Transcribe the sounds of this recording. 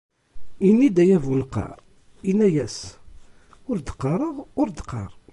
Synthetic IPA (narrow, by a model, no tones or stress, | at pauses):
inːid̪æjævulqːɑ̰ɾˤ | inæjæs | ʊɾd̪ə̥qːɑɾˤəʁʊɾd̪ə̥qːɑ̰ɾˤ